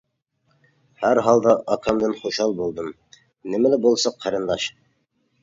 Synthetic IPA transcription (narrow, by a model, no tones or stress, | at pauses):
hæɾɦɑlˠd̪ɑʔɑkʰɑmd̪ɤnχuʃɑlˠbulˠd̪ɤm | nɘmælɘbolˠsɑqʰːæɾɤ̆nd̪ɑʃ